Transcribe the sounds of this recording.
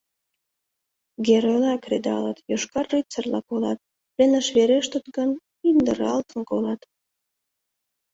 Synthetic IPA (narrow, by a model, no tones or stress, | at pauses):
ɡeɾojlɑkred̪ɑ̰lə̰t̪joʃkɑrːyt͡sərlɑ̰kolɑt̪̚ | lenəʃβeɾeʃt̪ət̪ɡən | ind̪əɾɑlt̪ənkolɑt̪